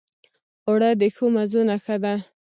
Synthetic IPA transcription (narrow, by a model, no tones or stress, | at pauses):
oɽad̪əxomazunaxad̪a